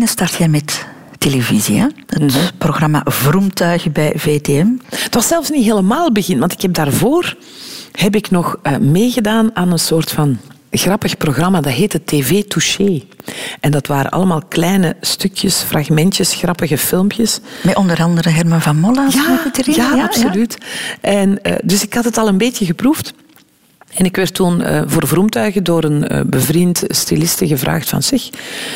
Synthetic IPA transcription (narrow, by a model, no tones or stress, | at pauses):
nəstɑrtxɛjmɛtː | elevizia̰ətproɣrɑma̰vrumtœːɣəbɛjveːteɛmətʋɑsɛlˠfsniɦeːləmaːlˠbəɣɪntʋɑntɪkhɛb̚daːrvoːr | hɛp̬ɪknɔxmeːɣədaːnaːnənsoːrtfɑn | ɣrɑpəxproɣrɑmaːdɑtɦeːtɦətːeːveːtuʃeːʔɛndɑtʋaːɾə̰nʔɑ̰lˠəmaːlˠklɛjnəstʏkʰjəsfraɣmɛntjəsxrɑpəɣəfɪlˠmpjəsmɛʔɔndəɾɑndəɾəɦɛrmɑnvɑnmɔlajautərɪjaːɑpsolytʔɛn̰ːdɵsɪkhɑtətɑlˠəmbeːtəɣəpruft | ɛnɪkʋɛrtːunə̰ːvoːrvrumtœɥɣədoːɾənə̰bəvrintstilɪstəɣəvrʔa̰ːxtfɑ̰nz̥ɪx